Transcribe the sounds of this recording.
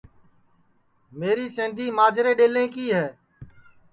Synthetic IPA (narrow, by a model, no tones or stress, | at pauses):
meːɾiːsẽːnd̪ʱiːmaːd͡ʒɾeːɗeːlẽːkiːɦɛː